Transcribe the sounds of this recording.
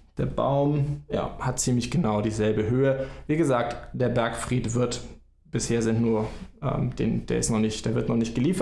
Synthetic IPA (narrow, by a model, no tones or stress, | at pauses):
d̥eːɐba̰ʊmja̰ːhat̚t͡siːmlɪçɡ̥ənaʊdiːzɛlbəɦøːəviːɡəzaːk̚td̥eːɐbɛɐkfʁ̥iːtv̥ɪɐt | b̥ɪsheːɐzɪntnuːɐʔɛ̰ːmd̥ḛːnd̥eːɐɪ̰stnɔχnɪçtd̥eːɐvɪɐtnɔχnɪçt̚ɡ̥əliːfɐ